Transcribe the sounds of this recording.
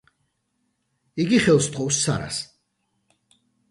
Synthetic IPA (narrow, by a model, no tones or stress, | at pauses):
iɡiχɛlˠst̪ʰχɔwsːa̰ɾa̰s